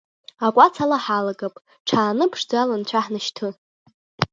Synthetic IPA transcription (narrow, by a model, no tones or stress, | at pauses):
akʷʼat͡sʰalaħalaɡapʼ | ʈ͡ʂʰaːnɨpʰʂd͡zalant͡ɕʷʰaħnaʃtʰɨ